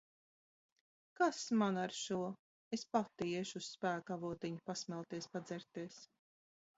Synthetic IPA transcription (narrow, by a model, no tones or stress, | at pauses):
kasmanaɾʃuɔ | espat̪iɛʃusːpæːkavuɔt̪iɲupasmɛlˠt̪iɛspad̪zɛɾt̪iɛs